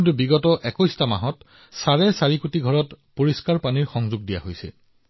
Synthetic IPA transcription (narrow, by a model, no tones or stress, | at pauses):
intubiɡɔtɔʔɛkɔjstama̰ɦɔt | saɹɛsaɹikutiɡʱɔɹɔtpoɹiskaɹpaniɹxɔŋzʊɡ̚dija̰ɦojsɛ̰